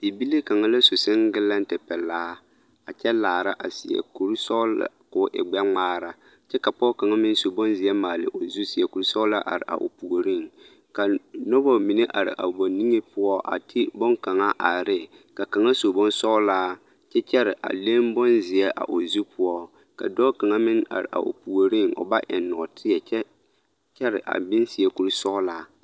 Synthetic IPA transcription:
di˨bi˦le˦ka˨ŋa˦la˦so˨sɪ˦ŋɡɪ˦la˦n̩˦tɪ˨pɛ˨laː˦ | a˨t͡ʃɛ˦laː˨ɾa˦ʔa̰˨si˨ɛ̰˨ku˨ɾsɔ˦la̰˨kʊ˨˦ʔɪ̰˨ɡ͡bɛ˦ŋ͡maː˦ɾa˨ | t͡ʃɛ˦ka˨pɔ˦ka˨ŋa˦mɪ˦n˦so˨bɔ˦nzɪ˨ɛ˦maː˨lɪ̰˨ʔo˨zu˦si˨ɛ˨ku˨ɾu˦sɔ˦la˦ʔa̰˨ɾɪ̰˨ʔa̰˨ʔo̰˨pu˨ɡo˨ɾɪ˦ŋ | ka˨nɔ˦bɔ˦mɪ˨ne˦ʔa̰˨ɾɪ̰˨ʔa̰˨bɔ˨ni˦ŋe˦pʊ˦ɔ˦ʔa̰˨tʰɪ˦bɔ˦ŋka˨ŋa˦ʔa˨ɾɪ˦ | ka˨ka˨ŋa˦so˨bɔ˦nsɔ˦laː˦ | t͡ʃɛ˦t͡ʃɛ˦ɾɪ˨ʔa̰˨le˦mbɔ˦nzɪ˨ɛ˦ʔa̰˨ʔo˨zu˦pʊ˦ɔ˦ | ka̰˨dɔː˦ka˨ŋa˦mɪ˦na̰˨ɾɪ̰˨ʔa̰˨ʔo̰˨pu˨o˨ɾi˦˨ŋo̰˨ba˦ʔɛ̰˨nːɔ˨tʰɪ˦ɛ˨t͡ʃɛ˦ | t͡ʃɛ˦ɾɪ˨ʔa̰˨bɪ˦nsi˨ɛ˦ku˦ɾsɔ˦laː˦

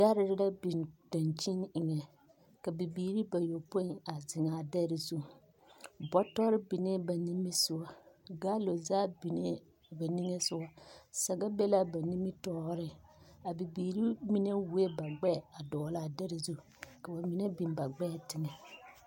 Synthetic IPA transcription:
ɡa˦ɾɪ˦ɾɪ˦la˦bi˨nd̥a˨nt͡ʃi˦nɪ˨ŋɛ˨ | ka˨bi˨biː˨ɾi˦ba˨jo˨po˦i˨ŋa˨zɪ˨ŋa˨dɛ˦ɾi˨zu˦˨ | bɔ˦tɔ˦ɾɪ˦bi˨ne˦ba˨ni˦mɪ˦sʊ˨wa˨ɡa˦lo˨zaː˦bi˨ne˦ | ba˨ni˦ŋe˦sʊ˦wa˦sɛ˨ɡa˦be˦la˦ba˨ni˦mɪ˦tɔː˦ɾɪ˦a˨bi˨biː˨ɾi˦mi˦ne˦wu˦e˦ba˨ɡ͡bɛ˦˨a˨dɔː˨la˦˨dɛ˦ɾi˨zu˦˨ | ka˨ba˨mi˦nɛ˦bi˨nba˨ɡ͡bɛ˦˨tɪ˨ŋɛ˨

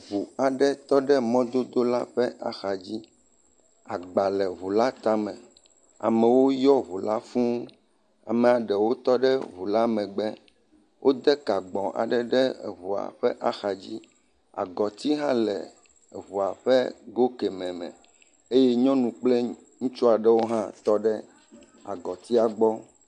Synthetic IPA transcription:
vu˨a˨ɖɛ˦t̪ɔ˦ɖɛ˦mɔ̃˦d̪o˦d̪o˦la˦ɸɛ˦a̰˨xa˨d͡ʑi˦ | a˨ɡ͡ba˨lɛ˨βu˨la˦t̪a˦mɛ̃˨ | a̰˨mɛ̃˨wo˦jɔ˦βu˨la˦fũ˦ | a̰˨mɛ̃˨a˨ɖɛ˨wo˦t̪ɔ˦ɖɛ˦βu˨la˦mɛ̃˨ɡ͡bɛ˦ | wʔo˦d̪ɛ˦ka˨ɡ͡bɔ̃˨ʔa̰˨ɖɛ˦ɖɛ˦˨βu˨a̰˨ɸɛ˦ʔa˦xa˨d͡ʑi˦ | a̰˨ɡɔ˨t̪i˦ɦã˦lɛ̰˨ | βu˨a˨ɸɛ˦ɡo˦kɛ˨mɛ̃˨mɛ̰̃˨ | e˦jɛ˦ɲɔ̃˦nũ˨k͡plɛ˦ | ŋũ˦t͡ʃu˦a˨ɖɛ˦wo˦ɦã˦t̪ɔ˦ɖɛ˦ | a̰˨ɡɔ˨t̪i˦a˨ɡ͡bɔ˦

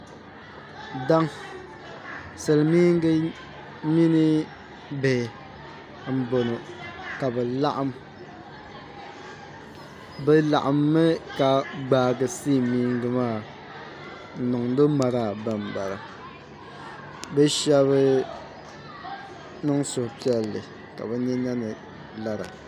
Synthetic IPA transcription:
da˦ŋ | sɨ˨lɨ˨miː˦ŋ˦ɡɨ˦ | mi˦nɨ˦ | bɛ˨ | m̩˦bo˨nɨ˨ka˨bɛ˨la˦ʔa˦m | bɛ˦la˨ʔa˨mːɛ˦ka˨ɡ͡baː˨ɡɨ˨siː˦˨miː˦ŋɡɨ˨maː˦˨ | n̩˨nʊ˨ŋ˦do˦ma˨ɾaː˨ba˨m˨ba˨ɾa˨ | bɛ˦ʃɛ˦βɨ˦ | nɨ˦ŋsʊ˨hʊ˨pi˦ɛ˦lːɨ̰˨ | ka̰˨bɛ˨ɲɛ˦ɲa˦nɨ˨ | la˨ɾa̰˨

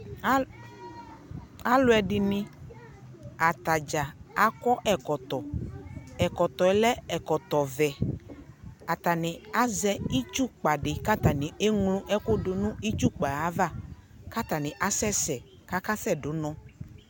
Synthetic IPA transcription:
a˦lʊ˨˦ɛ˨ɖɪ˨nɪ̃˦ | a˨t̪a˨d͡ʒa˨a˦kɔ˦ʔɛ˨kɔ˨t̪ɔ˨ | ɛ˨kɔ˨t̪ɔ˨ɛ˨lɛ˦ɛ˨kɔ˨t̪ɔ˨vɛ˨ | a˨t̪a˨nɪ̃˨a˦zɛ˦i˦t͡ʃu˦k͡pa˨ɖɪ˨ka˦t̪a˨nɪ̃˨e˦ŋlũ˦ʔɛ˦ko˦do˨nũ˦i˦t͡ʃu˦k͡pa˨a˨˦va˦˨ | ka˦t̪a˨nɪ̃˨ʔa˦sɛ˦sɛ˨ | ka˦ka˦sɛ˦ɖo˨˦nɔ̃˦

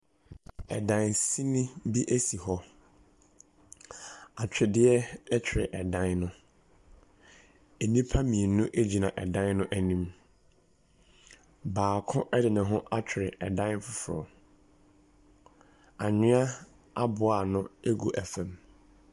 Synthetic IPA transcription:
ɛ̰˨dã˨nsi˦nĩ˦bi˦ʔæ˦si˨hɔ˦ | a˨t͡ɕᶣɪ˨dɪ˦ɛ˦ɛ˦t͡ɕᶣʰɪ˨ɾɪ˨ʔɛ˨dã˦nnʊ̃˦ | e˨nĩ˦pʰa˦mĩ˨e˨nʊ̃˦ʔe˦d͡ʑi˨nã˨ʔɛ˨dã˦nnʊ̃˦ʔæ˨nĩ˦m | baː˨kʰʊ̃˦ʔɛ˦dɪ˨nã˨ɦʊ̃˦ʔa˦t͡ɕᶣʰɪ˨ɾɪ˨ɛ˨dã˦n˦fʊ˨fʊ˨ɾɔ̰˨ | a˨ɲɪ̃˦a˦ | a˦bʊ˨a˨nʊ̃˦e˦ɡu˨ʔæ˨fæ̃˨m

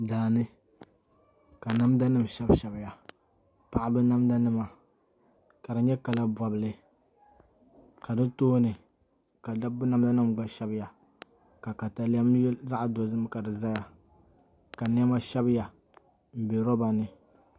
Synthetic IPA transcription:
daː˨nɨ˦ | ka˨na˦mda˦nɨ˦m˨ʃɛ˦bʃɛ˨bɪ˦ja˨ | pa˨ʔa˦bɨ˦na˦mda˦nɨ˦ma˨ | ka˨dɨ˨ɲɛ˦ka˨la˦ba˨bɨ˨lɨ˨ | ka˨dɨ˦toː˦nɨ˨ | ka˨da˦bna˦mda˦nɨ˦˨mɡ͡ba˦ʃɛ˦bɪ˦ja˨ | ka˨ka˨ta˨li˦a˦mjza˦ʔa˨do˨zɨ˦m˦ka˨dɨ˨za˦ja˨ | ka˨n˦ɛ˦ma˦ʃɛ˦bja˨ | m̩˨be˨ɾɔ˦ba˨nɨ˨

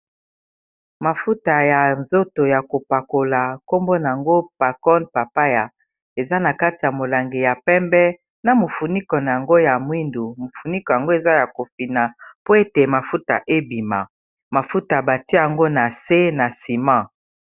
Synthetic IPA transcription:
ma˨fu˦ta˨ja˨nzo˦to˨ja˨ko˨pa˨ko˨la˨ko˦mbo˦na˨a˨ŋɡo˦pa˨kɔ˦npa˨pa˦ja˨ | e˨za˦na˨ka˦ti˨ja˨mo˨la˨ŋɡe˨ja˨pɛ˦mbɛ˦ | na˨mo˨fu˨ni˦kɔ˨na˨ja˨ŋɡo˦ja˨mwi˦ndu˨mo˨fu˨ni˦kɔ˨ja˨ŋɡo˦e˨za˦ja˨ko˨fi˨na˨po˦e˦te˨ma˨fu˦ta̰˨ʔe˦bi˨ma˨ | ma˨fu˦ta˨ba˨ti˦˨a˨ŋɡo˦na˨se˦na˨si˨mã˦˨

